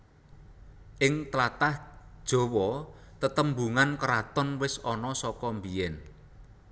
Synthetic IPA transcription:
ʔɪŋt̪lat̪ahd̥ʒ̥ɔ̤wɔ | t̪ət̪əmbuŋankəɾat̪ɔnwɪsɔnɔsɔkɔmbijɛn

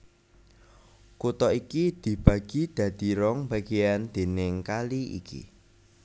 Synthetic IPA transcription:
kut̪ɔikid̪̥i̤b̥ä̤ɡ̥id̪̥ä̤d̪̥i̤ɾɔŋb̥ä̤ɡ̥ejand̪̥e̤nɪŋkaliʔḭkḭ

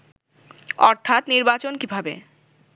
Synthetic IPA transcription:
ɔɾt̪ʰat̪niɾbat͡ɕonkibʱabḛ

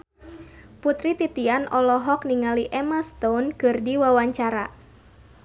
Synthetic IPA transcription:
put̪ɾit̪it̪ianʔɔlɔɦɔk̚niŋaliʔɛmast̪ɔnkɨrdiwawaɲt͡ʃaɾa̰

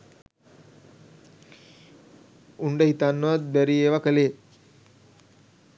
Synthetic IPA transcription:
uɳɖəhit̪anːəʋat̪̚bæɾieːʋakəleː

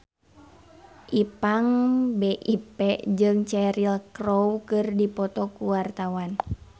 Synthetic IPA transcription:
ʔipaŋbɛʔipɛd͡ʒɨŋt͡ʃɛɾilkroukɨrdipɔt̪ɔkuwart̪awan

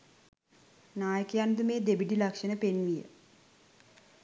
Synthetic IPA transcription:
naːjəkəjand̪umeːd̪ebiʈilakʂənəpenʋijə̰

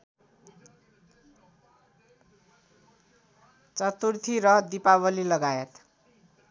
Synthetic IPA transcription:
t͡sʌt̪urt̪ʰiɾʌd̪ipawʌlilʌɡajet̪

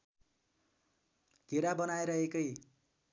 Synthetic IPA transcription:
ɡ̥ʱeɾabʌnajɾʌɦekʌj

